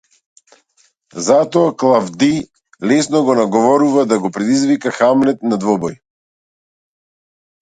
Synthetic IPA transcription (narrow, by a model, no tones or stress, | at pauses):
zat̪ɔaklˠavd̪i | lɛsnɔɡɔnaɡɔvɔɾuvad̪aɡɔpɾɛd̪izvikaxamlɛt̪nad̪vɔbɔj